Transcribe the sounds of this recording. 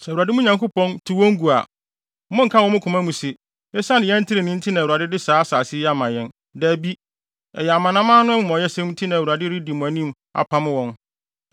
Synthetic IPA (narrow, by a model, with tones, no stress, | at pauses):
sɛ˨u˨a˨dɪ˦mũ˦ɲã˨ŋkʰo˦pɔ̃˦ntʰi˨wɔ̃˦ŋ˦ɡu˨a̰˨˦ | mʊ̃˦ŋ̩˨kʰa˦wɔ̃˦mʊ̃˦kʰʊ̃˨mã˦mũ˨sɪ˨ | ɛ˦sã˦nɪ̃˨jɛ̃˦n̩˦tʰɪ˦ɾɪ˨nɪ̃˦n̩˦tʰɪ˦nã˨u˨a˨dɪ˦dɪ˦saː˦saː˨sɪ˦ja˦˨mã˨jɛ̃˦n | dɛ˦˨bi˦ | ɛ˨jɛ˨a˨mã˨nã˦mã˦nʊ̃˦m̃˦m˨ɔ˨jɛ˦sɛ̃˦m˦tʰi˦nã˨wu˨a˨dɪ˦ɾi˦di˨mʊ̃˨æ˨nĩ˦m | a̰˨pʰã˦m˦wɔ̃˦n